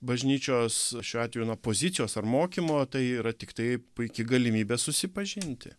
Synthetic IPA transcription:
bɐʒʲnʲiːt͡ʃʲoːsʃʲuːɑːt̪ʋʲɛjuːnɐpoːzʲɪt̪t͡sʲɪjoːsɐrmoːkʲimoːt̪ɐɪiːɾɐt̪ʲɪkt̪ɐɪpʊɪkʲɪɡɐlʲɪmʲiːbʲeːsʊsʲɪpɐʒʲɪnʲt̪ʲɪ̰

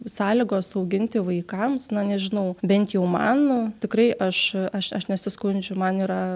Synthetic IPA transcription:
sɑːlʲiːɡoːsɐʊɡʲɪnʲt̪ʲɪʋɐɪkɐmsnɐnʲɛʒʲɪnɐʊbʲɛnʲt̪jɛʊmɐ̰nt̪ʲɪkrɐɪʔɐʃɐʃɐʃnʲɛsʲɪskʊnʲd͡ʒʲʊmɐniːɾɐ

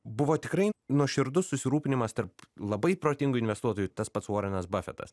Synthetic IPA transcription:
bʊʋoːt̪ʲɪkɾɐɪnuɔʃʲɪɾd̪ʊssʊsʲɪɾuːpʲɪnʲɪmɐst̪ɐɾplˠɐbɐɪpɾoːt̪ʲɪŋɡʊɪnʋʲɛst̪uɔt̪oːjut̪ɐspɐt̪soːɾʲɛnɐsbɑfʲɛ̰t̪ɐ̰s

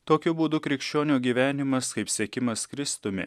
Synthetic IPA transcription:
t̪oːkʲʊbuːd̪ʊkɾʲɪkʃʲt͡ʃʲoːnʲuːɡʲiːʋʲæːnʲɪmɐskɐɪpsʲɛkʲɪmɐskɾʲɪst̪ʊmʲɪ̰

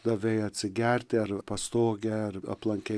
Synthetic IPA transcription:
d̪ɐʋʲɛɪɐt̪ʲsʲɪɡʲæɾʲt̪ʲɪɐɾpɐst̪oːɡʲɛɐrɐ̰plˠɐŋʲkʲɛ

